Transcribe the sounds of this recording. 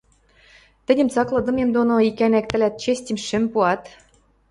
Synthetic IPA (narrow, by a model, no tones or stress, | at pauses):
t̪ɘ̆dʲɘmt͡sɑklˠɤ̆d̪ɤ̆memd̪onoikænæk̚t̪ɘ̆lʲæt̪̚t͡ɕesʲtʲɘ̆mʃɘ̆mpuɑt̪